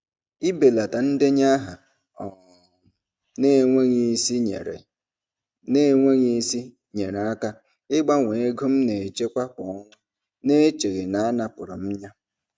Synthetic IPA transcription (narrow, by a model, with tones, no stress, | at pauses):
i˦be˨la˨ta˨n̩˦dɪ˦ɲa˦ɦa˨ | ɔ˨ | ne˦˨ŋʷe˦ɲi˦si˦e˨ɾe˨ | ne˦ŋʷe˦ɲi˦si˦ | ɲe˨ɾa˦ka˦ | ɪ˦ɡ͡ba˦ŋʷe˨e˦ɡu˦m̩˦ne˨t͡ʃe˦kʷa˦k͡pɔ˨ɔ˦ŋʷʊ˦ | ne˦t͡ʃe˨ɣe˨na˨a˦na˨pʊ˨ɾʊ̰˨m̩˦ɲa˦